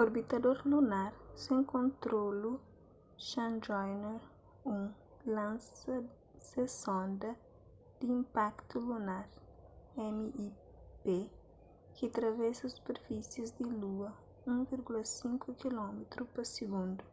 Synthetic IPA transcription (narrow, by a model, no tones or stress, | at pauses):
oɾbit̪ɐd̪oɾlunaɾsẽŋkõnt̪ɾolu | ʃɐ̃nd͡ʒɔjnoɾ | ũ | lãnsɐ | sesõnd̪ɐ | d̪̥iĩmpakt̪ulunaɾ | ɛmii | pe | kit̪ɾɐvɛsɐsu̥peɾfisjɐzd̪iluɐ | ũviɾɡulɐsĩŋkʰukilɔmet̪ɾupɐsiɡũnd̪u